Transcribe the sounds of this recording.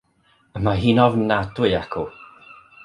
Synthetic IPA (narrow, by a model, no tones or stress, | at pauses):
əmaɦiːnɔvnadwjakʰu